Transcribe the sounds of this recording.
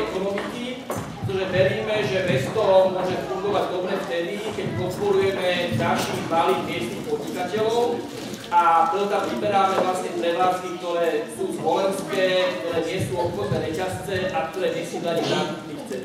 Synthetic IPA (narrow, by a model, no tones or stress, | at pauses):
ɛkɔnɔmiki | pɾɛt̪ɔʒɛʋɛɾiːmɛʒɛʋɛst̪ɔmʊɔʒɛfuŋɡɔʋaɟd̪ɔbɾɛːft̪ɛd̪ikɛcpɔt̪̚pɔɾujɛmɛd̪alʃiːɣmaliːd̪mɪɛst̪nixpɔd̪ɲikacɛlɔʊ | ap̪ɾɛt̪ɔt̪amʋibɛɾaːmɛʋlasɲɛɾɛʋlask̪ik̚t̪ɔɾɛːsuːzʋɔlɛnskɛːkt̪ɔɾɛːɲɪɛsuːɔp̪xɔznɛːɾɛcast͡sɛʔak̚t̪ɔɾɛːɲɛsuːd̪aɲɛzaːɡut͡sniːxt͡sɛ